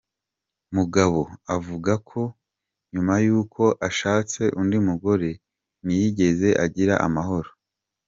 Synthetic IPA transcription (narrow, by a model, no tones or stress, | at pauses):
muɡaβo̞avuɡakʰo̞ | ɲumajuːkʰo̞ʔaʃaːt͡se̞ʔundimuɡo̞ɾe̞ | nijiɟe̞ze̞ʔaɟiɾa̰ʔa̰maɦo̞ɾo